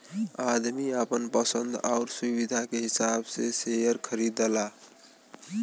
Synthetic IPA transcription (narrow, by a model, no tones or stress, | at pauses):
ad̪miəpənpəsənd̪ʱa̰ʊɾsubid̪ʱakeɦisabsesejəɾkʰəɾid̪əla